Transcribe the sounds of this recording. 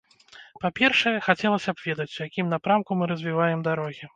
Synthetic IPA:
papʲɛrʂɐjɛxat͡sʲɛlˠɐsʲɐbvʲɛd̪ɐt͡sʲujakʲimnapɾamkumɨɾɐzʲvʲivajɛmd̪aɾɔɣʲi

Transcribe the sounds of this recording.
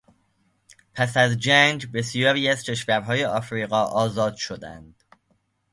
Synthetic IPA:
pʰæsæzd͡ʒænd͡ʒbe̞sijæbiːæzcʰe̞ʃvæɾɦɒːje̞ʔɒːfɾiːɣɒːʔɒːzɒːd̪̥ʃo̞d̪æ̰nd̪̥

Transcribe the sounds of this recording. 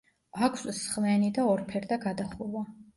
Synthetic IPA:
akʰssχlɛnid̪aɔɾpʰɛɾd̪aɡad̪aχuɾwa

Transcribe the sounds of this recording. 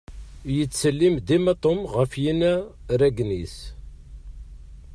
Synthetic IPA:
jət͡sːsəlːimd̪imɑt̪ˤomʁəfjinæɾæɡnis

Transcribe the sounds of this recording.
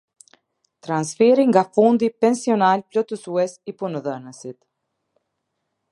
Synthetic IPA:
t̪ɾansfɛɾiŋɡafund̪ipɛnsiɔnalplɔt̪əsuɛsipunəðənəsit̪

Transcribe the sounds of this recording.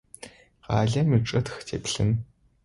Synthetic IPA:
qa̰ːɮɐmiʈ͡ʂʼɐtxtʰeːpɬɨ̰n

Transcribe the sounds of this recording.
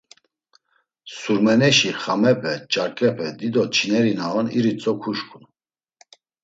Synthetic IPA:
suɾmɛnɛʃiχamɛpʰʼɛt͡ʃʼaɾkʼɛpʰɛd̪id̪ɔt͡ʃʰinɛɾinaɔniɾit͡sʼɔkʰuʃkʰʼun

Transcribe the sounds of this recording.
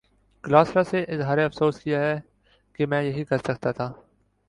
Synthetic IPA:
klaːsɾaseʔɪzɦaːɾeɐfsoːskijaɦɛ | kemɛ̃ːjɐɦikɐɾsɐk̚t̪at̪ʰaː

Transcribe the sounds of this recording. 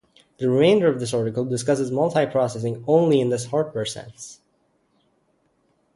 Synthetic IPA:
ðɨɹɨmẽɪ̃ndə˞ʌvðɪsɑɹɾɨkl̩ˠdɨskʌs̬ɨzmʌlˠthaɪpʰɹ̥ɑsɛs̬ɪ̃ŋõʊ̃nliɨ̃nðɪshɑɹd̚wɛɹsɛ̰̃ns

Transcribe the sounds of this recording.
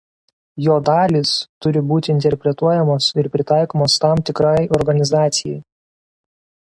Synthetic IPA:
joːd̪ɑːlʲiːst̪ʊɾʲɪbuːt̪ʲɪɪnʲt̪ʲɛɾʲpʲɾʲɛt̪uɔjɛmoːsɪɾpʲɾʲɪt̪ɑˑɪkoːmoːst̪ɑmt̪ʲɪkɾɑɪɔɾɡɐnʲɪzɑːt̪sʲɪjɛj

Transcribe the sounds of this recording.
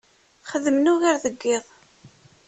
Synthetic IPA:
χəðəmnʊɣaɾðəɡːɪðˤ

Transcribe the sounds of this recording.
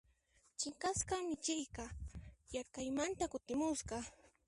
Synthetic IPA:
t͡ʃɪŋkaskamɪt͡ʃɪjkɑjaɾkajmant̪akʊt̪ɪmʊsɢɑ

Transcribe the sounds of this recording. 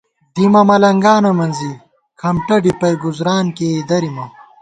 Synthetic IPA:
d̪imɐmɐlɐŋɡaːnɐmɐnzi | kʰɐmʈɐɖipɐjɡuzɾaːnked̪ɐɾimɐ

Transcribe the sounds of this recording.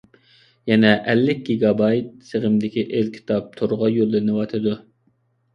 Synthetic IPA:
jɛnɛʔɛlːɪk̚ʲɡʲiɡɑbɑjt̪̚seʁɪmd̪ɪkʲiʔelkʲʰi̥t̪ʰɑp̚t̪ʰoɾʁɑjolːɨɾnɪwɑt̪ʰɨd̪u

